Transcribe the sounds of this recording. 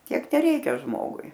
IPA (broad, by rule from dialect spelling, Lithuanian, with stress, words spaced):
ˈtʲiɛk tʲɛˈrʲɛɪkʲɛ ˈʒmoːɡʊɪ